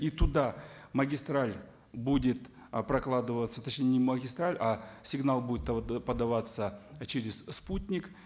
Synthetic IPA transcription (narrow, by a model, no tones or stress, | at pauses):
it̪ʊd̪aməɡʲɪst̪ɾalʲ | budʲɪt̪ | pɾɐklˠad̪ɨvət̪sːət̪ɐt͡ɕnʲenʲɪməɡʲɪst̪ɾalʲasʲɪɡnalˠbudʲɪt̪pəd̪ɐvat̪sət͡ɕɪɾʲɪssputʲnʲɪk